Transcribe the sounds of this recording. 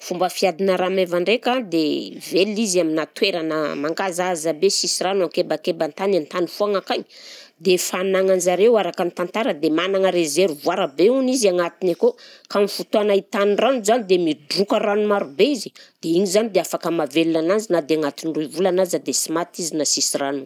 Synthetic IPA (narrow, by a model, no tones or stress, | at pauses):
fumbəfiad̪inəɾamevaɳɖ͡ʐekad̪evelizaminat̪weɾanə̰maŋɡazazabesisiranoaŋkebakebant̪anant̪anifuaŋakaɲd̪efanaŋand͡ʒaɾewaɾakant̪ant̪aɾəd̪emanaŋəɾezeɾuvuaɾabeuniziaŋat̪inakokamifut̪uanait̪aniranuzanid̪emidukəɾanumaɾubeizi̥d̪̥eiɲizanid̪eafakəmavelunanand͡zinad̪eaŋat̪inruvulanazad̪esimat̪izinasisiranu